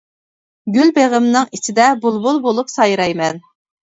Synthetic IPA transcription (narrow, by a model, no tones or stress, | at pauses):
ɡʲylbeʁəmnɨŋit͡ʃʰɪd̪ɛbulˠbulˠbolˠupsɑjɾɑjmɛn